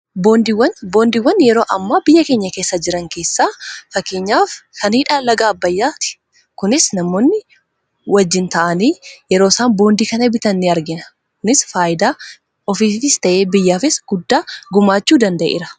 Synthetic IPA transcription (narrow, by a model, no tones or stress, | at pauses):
bo̞ːnd̪iwɐnboːnd̪iwːɐnːjɛɾo̞ːʔɐmːaːbɪjːɐke̞ːɲːɐkeːsːɐd͡ʒɪɾɐŋke̞ːsːaːfɐkːeːɲːaːfkɐnhɪᶑalɐɡaːbːɐjːaːt̪ɪ̥ | kʊnɪsnɐmoːnːɪ | wɐd͡ʒːɪnt̪ɐʔɐniːjɛɾo̞ːsaːnbo̞ːnd̪iːkɐnɐɛbɪt̪ɐnːɪɐɾɡɪnɐ | kʊnɪsfaːjɪd̪aː | ɔfiːfɪst̪ɐʔe̞ːbɪjːaːfɪsɡ̥ʊd̪ːaːɡʊmaːt͡ʃːuːd̪ɐnd̪ɐʔḛːɾɐ̥